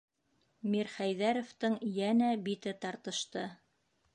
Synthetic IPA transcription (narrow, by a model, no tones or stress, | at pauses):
miɾχæjðæɾŏft̪ɤɴjænæbit̪ɘt̪ɑɾt̪ɤ̆ʃt̪ɤ